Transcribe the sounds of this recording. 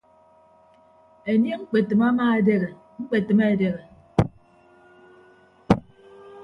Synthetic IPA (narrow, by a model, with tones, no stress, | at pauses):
e˨nji˦ŋ͡m̩˦k͡pe˨tɨ˨ma˦maː˦e˨de˦ɣe˨ | ŋ͡m̩˦k͡pe˨tɨ˨me˦e˨de˦ɣe˨